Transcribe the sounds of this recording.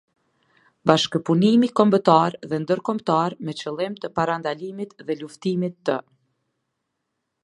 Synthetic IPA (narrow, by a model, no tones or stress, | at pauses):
baʃkəpunimikɔmbət̪aɾðɛnd̪əɾkɔmt̪aɾmɛt͡ɕəlˠimt̪əpaɾand̪alimit̪ðɛluft̪imit̪ːə